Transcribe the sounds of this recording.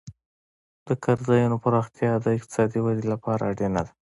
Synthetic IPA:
d̪̥əkʰaɾzɑjunopəɾɑxt̪jɑd̪əɪq̚t̪ɪ̥sɑd̪iwad̪elapɑɾa̰ɖenad̪a

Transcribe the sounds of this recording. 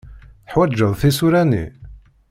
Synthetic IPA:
θəħwæd͡ʒːəðˤθisuɾænḭ

